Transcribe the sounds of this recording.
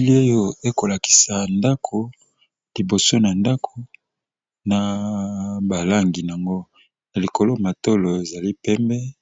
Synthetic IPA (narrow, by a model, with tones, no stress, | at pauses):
li˦o˦jo˦e˦ko˨la˨ki̥˨sa˨nda˦kʰo˨ | li˨bo˨so˦na˨nda˦kʰo˨ | na˨ | ba˨la˦ŋɡi˨n˨a˨ŋɡo˦ | na˨li˨ko˨lo˦ma˨to˦lo˨e˨za˨li˦pɛ˦mbɛ˦